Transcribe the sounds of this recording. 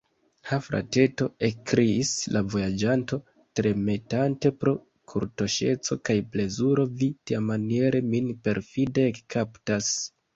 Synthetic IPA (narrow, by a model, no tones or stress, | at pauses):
hafɾa̰te̞to̞ekkɾiːslʔavo̞jad͡ʒanto̞ | tɾe̞me̞tante̞pɾo̞ | kʰuɾto̞ʃe̞t͡so̞kajple̞zuɾo̞vitiamanie̞ɾe̞minpe̞ɾfideːkkaptas